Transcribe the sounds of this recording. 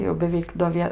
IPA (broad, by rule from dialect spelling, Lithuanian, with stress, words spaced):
tɐɪ jɛʊ bʲɛˈʋʲɛɪk doː ˈʋʲiɛ